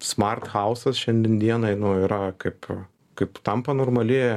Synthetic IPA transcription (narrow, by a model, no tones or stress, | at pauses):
smɐrt̪xɐʊsɐsʃʲɛnʲd̪ʲɛnd̪ʲiɛnɐɪnʊiɾɐkɐɪp | kɐɪpt̪ɐmpɐnoːrmɐlʲɪ